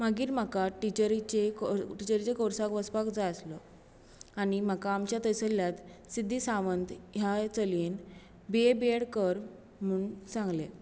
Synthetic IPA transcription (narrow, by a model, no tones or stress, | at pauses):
maɡiːɾm̤akaʈit͡ɕəɾit͡ɕeʈit͡ɕəɾit͡ɕekoɾsakʋəspakd͡zajəslə | aɽ̃im̤akaːmt͡ɕjat̪əsəlːjat̪sid̪ʱːiːsaʋənt̪ɦjat͡səlin | beebeɽkəɾ | m̤uɳsãŋɡle